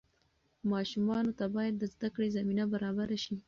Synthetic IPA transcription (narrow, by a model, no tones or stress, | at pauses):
mɑʃumɑnot̪abɑjad̪̚ːəzd̪akɽezaminabaɾɑbaɾaʃi